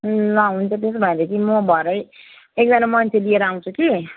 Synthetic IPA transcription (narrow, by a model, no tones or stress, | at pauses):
laɦũnt͡sʰʌt̪es̬bʱʌeɾek̪imʌbʱʌeɾʌj | ek̚d͡zanamʌnt͡sʰelieɾʌaw̃t͡sʰuki